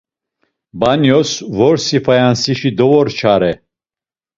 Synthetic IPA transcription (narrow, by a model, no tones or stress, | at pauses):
banjɔsvɔɾsifajansiʃid̪ɔvɔɾt͡ʃʰaɾɛ